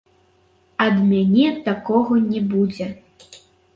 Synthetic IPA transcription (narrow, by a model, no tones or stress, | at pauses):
ɐd̪mʲanʲɛt̪akɔɣɐnʲɛbud͡zʲɛ